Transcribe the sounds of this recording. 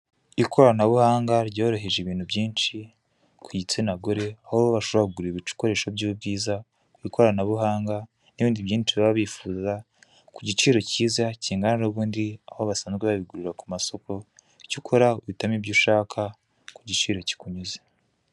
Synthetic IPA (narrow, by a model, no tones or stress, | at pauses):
ikʰo̞ɾanaβuhaːŋɡaɾɟoːɾo̞ɦe̞ʒeβiːn̥hubɟiːnʃi | kʰuɟit͡senaɡoɾe̞ahoβoβaʃoβauɡuɾiβit͡ʃu̥ko̞ɾe̞ːʃobɟubɡiːza | kwiːkʰo̞ɾanaβuɦaːŋɡa | neβiːndiβjiːnt͡ʃiβaβaβifuːza | kuɟit͡ʃiːɾo̞ciːzaciːŋɡaniɾoβuːndiahoβasaːnzɡeβaβiɡuɾuɾakumaso̞kʰo̞ | icukʰo̞ɾauβitamibɟuʃaːkʰa | kuɟit͡ʃiːɾo̞ci̥kuɲuze̥